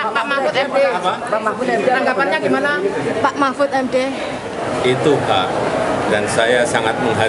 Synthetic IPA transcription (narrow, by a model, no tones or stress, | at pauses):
amafʊt̪ɛdeaa | aŋɡapanɲaɡimanapaʔmafʊt̪ɛmde | it̪uhaʔdansajasaŋat̪̚məŋɦa